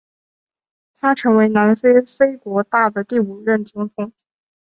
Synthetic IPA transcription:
t̪ʰa˥ʈ͡ʂʰɤ˧˥ŋwe˧˥ɪna˧˥nfe˥ɪfe˥ɪkwɔ˧˥t̪a˥˩d̪ə˩t̪i˥˩u˨˩ɻə˥˩nt͡ɕi˥ŋkʰʊ˥ŋ

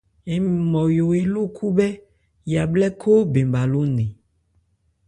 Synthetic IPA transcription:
e˨m˨mɔ̃˨jo˨e˨lo˦kʰu˦bɛ˦ | ja˨blɛ˦kʰo˦be˨mba˨lo˦nẽ˨

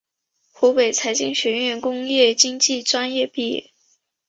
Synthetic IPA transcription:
xu˧˥pe˨˩ɪt͡sʰa˧˥ɪt͡ɕi˥˧ŋɕɥɛ˧˥nɥɛ˥˩nkʊ˥ŋjɛ˥˩t͡ɕi˥ŋt͡ɕi˥˩ʈ͡ʂwa˥njɛ˥˧pi˥˩jɛ̰˥˩

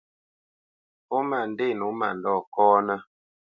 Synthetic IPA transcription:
pɔ˦ma˨n̩˨de˦˨nu˨˦ma̰˨n˨dɔ˦˨kɔː˦nə˦

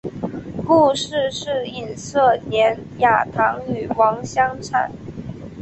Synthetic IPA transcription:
xu˥˧ʂɻ̩˥˧ʂɻ̩˥˩i˨˩nsɤ˥˩njɛ˧˥nja˨˩t̪ʰɑ˧˥ŋy˨˩wɑ˧˥ŋɕjɑ˥ŋʈ͡ʂʰa̰˨˩˦n

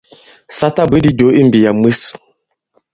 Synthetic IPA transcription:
sa˦ta˦be˨˦di˦do˨˦i˦m˨bi˨ja˨m˦e˦s

